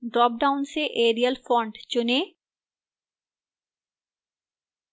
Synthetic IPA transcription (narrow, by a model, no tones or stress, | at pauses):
ɖɾɔːp̚ɖaʊnseʔeːɾijəlfɔ̃ːɳɖt͡ʃʊne